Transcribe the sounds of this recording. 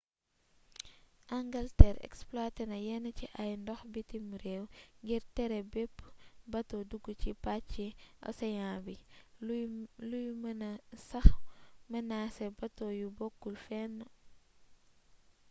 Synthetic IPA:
ʔɐŋɡɐltɛɾɛ̰ksplatɛnɐjɛnɐciʔɐjndɔxbitimuɾɛːwŋɡiɾtɛɾɛbɛpːbɐtɔduɡːucipat͡ʃːiʔɐ̰sɐjãːbi | lujmɐnɐsɐxmɐnaːsɛbɐtɔjubɔkːulfɛnː

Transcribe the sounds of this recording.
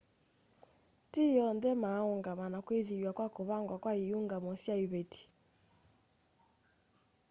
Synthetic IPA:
tijɔndɛmaoŋɡamanakweðijwakwakoβaŋɡwakwaijuŋɡamɔsaiβeti̥

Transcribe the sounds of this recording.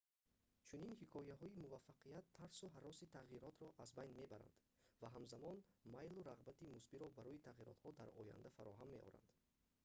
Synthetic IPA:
t͡ʃʰuninhikʰɔjaɦɔimuvafːaqʰijat̪ʰːaɾsuɦaɾɔsit̪ʰaʁiɾɔt̪ɾɔʔazbajnme̞baɾa̰nd̪ | vaɦamzamɔnmajluɾaʁbat̪imusbiɾɔbaɾɔit̪ʰaʁiɾɔ̰t̪hɔd̪aɾɔ̰ja̰nd̪afaɾɔɦamːeʔɔ̰ɾa̰nd̪̥

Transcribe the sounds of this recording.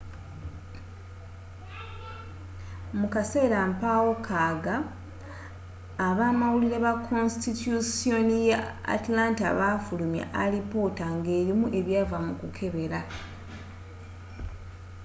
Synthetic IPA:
mukase̞ːɾampawokʰaɡa | βaːmawuliɾeβakʰonstitjusio̞nijaa̰tlaːntaβafulumja̰ʔalipo̞taŋɡe̞ːɾimuʔe̞βjaːvamukukʰe̞βe̞ɾa

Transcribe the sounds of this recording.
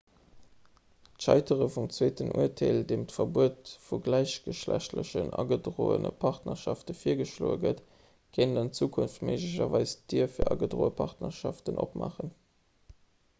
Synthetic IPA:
tʃɑɪtʰəʁəfumt͡sweːtənʔuətʰeːldeːmtfɐbuətfuɡlæɪɕɡ̥əʃlæɕtləɕənʔɑ̰ɡədʀoːə̰nəpʰɑʁtnɐʃɑftəfiːɐɡəʃloːəɡət | kʰeːnənənt͡suːkʰunftmeɪʒliɕɐvɑɪsd̥iːɐfiːɐʔɑɡədʁoːəpʰɑʁtnɐʃɑftənʔopma̰ːχən

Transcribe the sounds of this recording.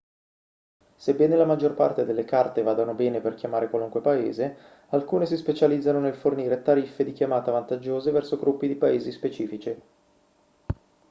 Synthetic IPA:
sebːɛːnelamad͡ʒːorpa̰rt̪ed̪elːekart̪evaːd̪onobɛːneperkjamaːɾekwaluŋkwepaḛːze | alkuːnes̬ispet͡ʃalid̪zːanonelforniːɾet̪aɾifːed̪ikjamaːt̪avant̪ad͡ʒːoːzevɛrsoɡɾʔupːid̪ipaeːzispet͡ʃiːfit͡ʃi

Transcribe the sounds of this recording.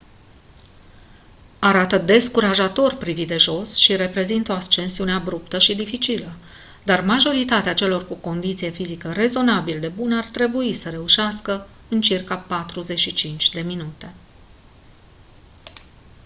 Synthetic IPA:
aɾat̪əd̪e̞skuɾaʒat̪o̞rpɾivit̪̚d̪e̞ʒo̞sʃiɾe̞pɾe̞zint̪o̞ast͡ʃe̞nsiuneabɾupt̪əʃid̪ifit͡ʃilə | d̪armaʒo̞ɾit̪at̪eat͡ʃe̞lo̞rkuko̞nd̪it̪sije̞fizikəɾe̞zo̞nabild̪e̞bunəart̪ɾe̞buisəɾe̞uʃeaskə | ɨnt͡ʃirkapat̪ɾuze̞ʃit͡ʃint͡ʃʲd̪e̞minut̪e̞

